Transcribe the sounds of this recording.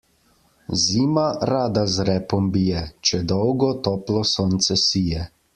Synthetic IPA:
ziːmaɾaːd̪azɾɛːpɔmbijɛt͡ʃɛd̪ɔwɡɔt̪ɔːplɔsɔːnt̪sɛsiːjɛ

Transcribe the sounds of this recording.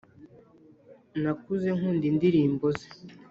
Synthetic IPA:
nakuzeŋ̥undindiɾiːmboze̥

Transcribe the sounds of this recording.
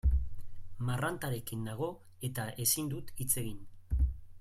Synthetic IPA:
marant̪aɾe̞kind̪aɣ̞o̞ | e̞t̪aʔe̞sind̪ut̪it͡se̞ɣin

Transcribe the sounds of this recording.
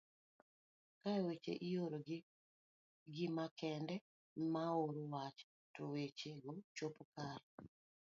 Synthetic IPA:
kawet͡ʃḛʔijoɾoɡ | ɡɪmakʰɛndɛ | maoɾowat͡ʃ | towet͡ʃeɡot͡ʃopkar

